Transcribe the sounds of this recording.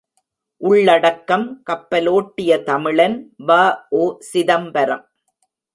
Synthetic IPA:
ʔʊɭːɐɽɐkːɐmkɐpːɐloːʈːɪjɐt̪ɐmɪɭɐnʋaːʔoːsɪðɐmbɐɾɐ̰m

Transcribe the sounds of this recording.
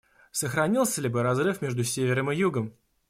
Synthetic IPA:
səxɾɐnʲilˠsʲəlʲɪbɨɾɐzrɨfmʲe̞ʐd̪ʊsʲevʲɪɾəmɨjuɡəm

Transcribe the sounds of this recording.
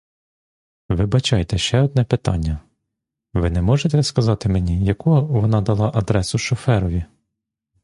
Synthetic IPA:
ʋɪbɐt͡ʃɑjt̪ɛʃt͡ʃɛɔd̪̚nɛpɪt̪ɑ̰nʲːɐ | ʋɪnɛmɔʒet̪ɛskɐzɑt̪ɪmenʲijɐkuɔʋɔnɑd̪ɐlˠɑʔɐd̪ɾɛsʊʃɔfɛɾɔʋʲi

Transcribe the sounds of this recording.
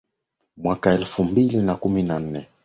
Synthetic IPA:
mwakaɛlfumbilinakuminan̩nɛ

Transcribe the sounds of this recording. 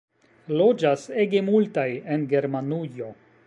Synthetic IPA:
lo̞d͡ʒase̞ɡe̞multajenɡe̞ɾmanujo̞

